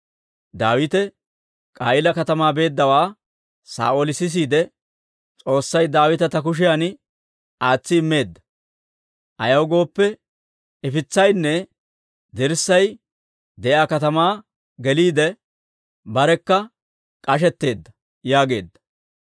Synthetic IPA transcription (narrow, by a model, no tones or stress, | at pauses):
d̪aːwɪt̪ɛ | kʼaːʔɪlɐkɐt̪ɐmaːbe̞ːd̪ːɐwaː | sa̰ːʔoːlɪsɪs̬iːd̪ɛ | t͡sʼo̞ːsːɐjd̪aːwɪt̪ɐt̪ɐk̬ʊʃ̬ɪjan | ʔaːt͡sːɪɪmːe̞ːd̪ːɐ̥ | ʔɐjɐwɡo̞ːpːɛ | ɛfɪt͡sːɐjnːɛ | d̪ɪɾsːɐj | d̪ɛʔaːkɐt̪ɐmaː | ɡɛliːd̪ɛ | bɐɾɛkːɐ | kʼɐʃ̬ɛt̪ːe̞ːd̪ːɐ | jaːɡe̞ːd̪ːɐ̥